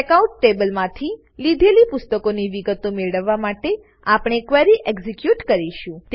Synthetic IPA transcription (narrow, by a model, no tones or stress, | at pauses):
kaũɳʈːebəlmãt̪ʰi | lid̪ʱelipʊst̪əkoniʋiɡət̪omeɭɽəʋːamaʈe | apɳ̃ekʋɛɾiʔeɡzikjuʈkəɾiʃũt̪